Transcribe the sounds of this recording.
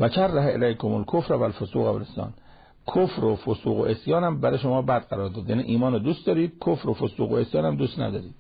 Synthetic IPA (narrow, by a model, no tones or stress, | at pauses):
væt͡ʃʰærːæɦeʔelæjkʰomolkʰofɾvælfosṵːɣæʋæ̰lesɒ̰ːn | kʰofɾofosuːɣo̰ʔesjɒːnæmbæɾeʃomɒːbæd̪̚ɢæɾɒːɾd̪ɒːd̪jænḭʔiːmɒːnod̪uːst̪d̪ɒːɾiːd̪̥̚kʰofɾofosuːɣoesjɒːnæmd̪uːst̪næ̰d̪ɒːɾiːd̪